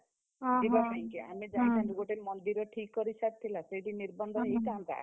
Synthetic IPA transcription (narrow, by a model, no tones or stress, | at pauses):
ibapajŋkia̰mid͡ʒajt̪ʰãnd͡ʒuɡoʈeɾmɔnd̪iɾɔʈʰikːɔɾisat̪̚t̪ʰːilaseʈiniɾbɔnd̪ʱɔejk̪ant̪a̰